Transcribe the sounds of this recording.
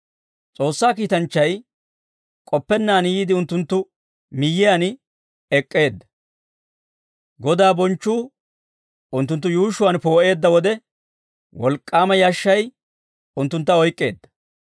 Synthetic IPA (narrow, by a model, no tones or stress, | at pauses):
t͡sʼo̞ːsːaːkiːt̪ɐnt͡ʃːɐj | kʼɔpːɛnːaːnjiːd̪ɪʊnt̪ːʊnt̪ːʊ | mɪjːɪjan | ɛkʼːe̞ːd̪ːɐ | ɡɔd̪aːbɔnt͡ʃːuː | ʊnt̪ːʊnt̪ːʊjuːʃʊwɐnpo̞ːʔe̞ːd̪ːɐwɔd̪ɛ | wɔlkʼːaːmɐjaʃːɐj | ʊnt̪ːʊnt̪ːɐɔjkʼːe̞̰ːd̪ːɐ̥